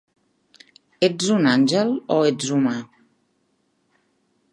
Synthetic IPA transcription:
ezunanʲd͡ʒɛlɔezuma

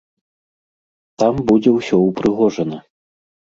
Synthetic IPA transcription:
t̪ambud͡zʲɛwsʲɔwpɾɨɣɔʐɐnɐ

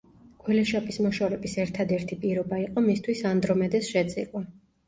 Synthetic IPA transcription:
ɡ̥wɛlɛʃapʼismɔʃaɾɛbisɛɾt̪ʰad̪ɛɾt̪ʰipʼiɾɔbaiqʼɔmist̪ʰwisand̪ɾɔmɛd̪ɛsʃɛt̪sʼḭlʼwa

